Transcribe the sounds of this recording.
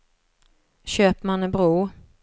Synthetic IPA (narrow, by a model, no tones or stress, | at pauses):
ɕøːpmanəbɾuː